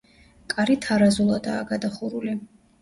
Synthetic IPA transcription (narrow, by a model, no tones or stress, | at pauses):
kʼaɾit̪ʰaɾazulˠad̪a̰ːɡad̪aχuɾuli